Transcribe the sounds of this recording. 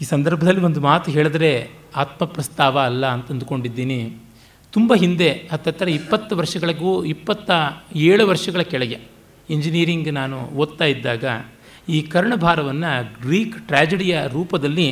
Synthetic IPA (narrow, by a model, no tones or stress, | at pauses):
iːsɐnd̪ɐɾbʱɐd̪ɐlːiʋond̪umaːt̪uɦeːɭid̪ɐɾe̞ | aːt̪mɐpɾɐst̪aːʋɐːlːɐːnt̪ɐnd̪uko̞ɳɖid̪ːiːni | t̪umbɐɦind̪e̞ɐt̪ːɐt̪ːɐɾɐipːɐt̪ːuʋɐɾʂɐɡɐɭɐɡuːipːɐt̪ːɐeːɭuʋɐɾʂɐɡɐɭɐkɛɭɛɡe | eɲd͡ʒiniːɾiŋɡnaːnṵoːd̪̚t̪aːjid̪ːaːɡɐ̰ | iːkɐɾɐɳɐbʱaːɾɐʋɐnːɐɡɾiːkʈɾaːd͡ʒeɽijɐɾuːpɐd̪ɐlːi